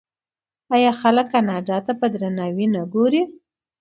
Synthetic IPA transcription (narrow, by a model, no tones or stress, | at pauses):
ɑjɑxaləkːanɑɖɑt̪apəd̪ɾanɑwinəɡoɾi